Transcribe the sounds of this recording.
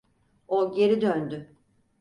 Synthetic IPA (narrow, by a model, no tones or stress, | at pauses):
oɟe̞ɾid̪ønd̪y